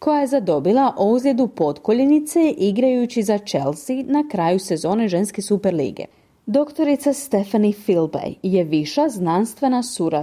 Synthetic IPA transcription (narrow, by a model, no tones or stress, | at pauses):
kʰo̞jaje̞zad̪o̞bilˠaʔouzlʲed̪upo̞t̪koʎinit̪se̞ʔiɡɾajut͡ɕizat͡ʃe̞lsinakɾaːjuse̞zo̞ːne̞ʒe̞nske̞supeɾlḭːɡḛ | d̪o̞kt̪o̞ɾit̪sast̪e̞fanifilbḛjje̞ʋiʃaznanst̪ʋe̞nasuɾa